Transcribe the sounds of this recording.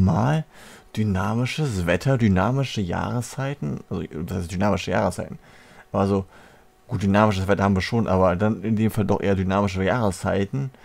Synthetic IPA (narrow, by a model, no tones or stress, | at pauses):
maːl | d̥ynaːmɪʃəsv̥ɛtʰɐdynaːmɪʃəja̰ːʁəst͡saɪtn̩ʔalzo̰dashaɪst̚d̥ynaːmɪʃəja̰ːʁəst͡saɪtn̩ | azo | ɡ̥uːt̚d̥ynaːmɪʃəsv̥ɛtɐhaːmviːɐʃoːnʔaːbɐdanɪndeːmfaldɔχʔḛːɐdynaːmɪʃ̬əjaːʁəst͡saɪtn̩